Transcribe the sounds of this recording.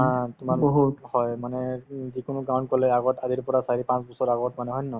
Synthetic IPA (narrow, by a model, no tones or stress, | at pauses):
ɦãtʊmalɦuhɔjmanɛzikʊnʊɡawnt̚kɔlɛaɡɔtaziɹpɔɹasaɹipãsbɔsɔɹaɡɔtmanɛɦɔjnːɔ